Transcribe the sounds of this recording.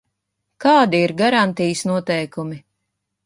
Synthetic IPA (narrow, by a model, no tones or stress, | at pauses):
kaːd̪iiɾɡaɾant̪ijsnuɔt̪ɛjkumi